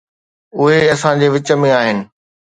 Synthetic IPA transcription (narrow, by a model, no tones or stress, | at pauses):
ʊɦeɐsãd͡ʑeːʋɪt͡ɕə̆mẽaːɦɪnɪ̆